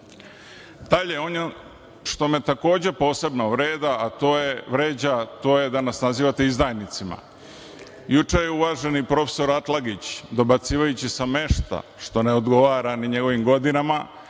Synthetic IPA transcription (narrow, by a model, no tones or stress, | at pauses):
d̪aʎeo̞na | ʃt̪o̞met̪ako̞ːd͡ʑe̞po̞ːse̞bnoʋɾeːd̪aːt̪o̞ːje̞ʋɾe̞ːd͡ʑat̪o̞ːje̞d̪anasnaziːʋat̪e̞izd̪ajnit̪sima̰ | jut͡ʂejeuʋaːʒe̞nipɾo̞fe̥so̞ɾat̪laɡit͡ɕd̪o̞bat̪siːʋajut͡ɕisame̞ʃt̪a̰ʃt̪o̞ne̞o̞d̪ɡo̞ʋaːɾaniɲe̞ɡo̞ʋimɡo̞d̪inama